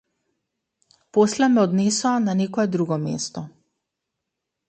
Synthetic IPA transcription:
poslɛmɛɔd̪nesɔananekɔjɛd̪ɾuɡɔmḛst̪ɔ

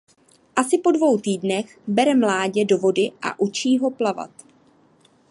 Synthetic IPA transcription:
ʔasɪpo̞dvo̞wt̪iːdnɛxbɛɾɛmlaːɟɛdo̞vo̞dɪʔa̰ʔut͡ʃiːɦo̞plava̰t̪

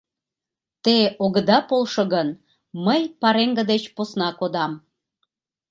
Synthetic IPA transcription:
t̪eoɣəd̪ɑpolʃoɣən | məjpɑɾeŋɡə̆d̪et͡ɕposnɑkod̪ɑm

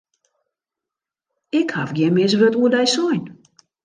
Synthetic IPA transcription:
ɪkhavɡjɛnmɪsʋøtuədɛjsɔjn

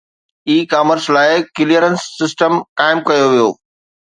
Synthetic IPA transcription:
iːkaːməɾslaːɪkɪlijəɾənsːɪsʈəmkaːɪmkɐjoʋijo̰ː

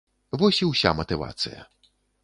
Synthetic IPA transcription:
vɔsʲiwsʲa̰mɐt̪ɨva̰t̪sɨ̰jɐ̰

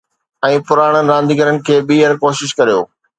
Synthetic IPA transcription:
ɛ̃ːpʊɾaːɽ̃ənɪ̆ɾãːn̆d̪iːɡəɾənɪ̆kʰeːɓiːəɾkoːʃɪʃkɐɾijo̰ː

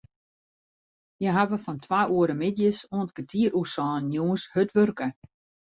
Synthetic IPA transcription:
jəɦaʋəfɔntʰʋaʔuəɾəmɪtjəsoənt̚kətʰiːəɾʔusɔːnjuːənshøtʋørkə

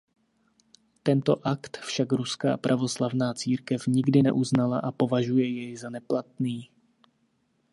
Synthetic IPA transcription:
t̪ɛnt̪o̞ʔakt̪fʃakɾuska̰ːpɾʔavo̞slavnaːt͡siːɾkɛfɲɪɡdɪnɛ̰ʔuznalaʔapo̞vaʒujɛjɛjzanɛplat̪̚niː

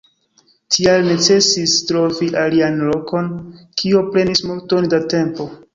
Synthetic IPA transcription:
tʰialne̞t͡se̞sistɾo̞viʔalianlo̞ko̞n | kʰiopɾe̞nismulto̞ndate̞mpo̞

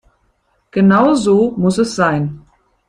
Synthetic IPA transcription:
ɡ̥ənaʊzoːmʊsɛsz̥aɪn

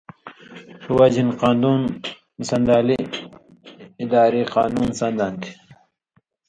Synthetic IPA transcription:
tuwad͡ʑinqɑːnd̪uːn | sɐnd̪aːli | d̪aːɾiːqɑ̰ːnuːnsɐnd̪ant̪ʰi̥

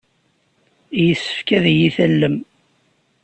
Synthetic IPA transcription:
jəsːə̥fkæðjiθælːəm

